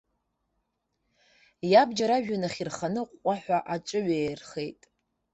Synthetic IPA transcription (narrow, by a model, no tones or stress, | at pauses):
jabd͡ʒaɾaʒᶣanaχʲirχanɨqʷʼaħʷaʔat͡ʃʷʼɨɥejrχe̞jtʼ